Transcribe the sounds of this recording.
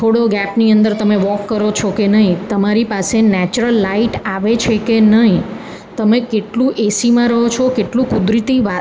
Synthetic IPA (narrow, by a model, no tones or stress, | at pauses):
t̪ʰoɽoɡɛpniənd̪əɾt̪əmeʋɔkːəɾot͡ʃʰɔkenəɦĩt̪əmaɾipasenɛt͡ʃɾəlːaiʈaʋet͡ʃʰekenəɦĩ | t̪əmekeʈlũʔesimãɾəɦot͡ʃʰokeʈlũkud̪ɾit̪iʋa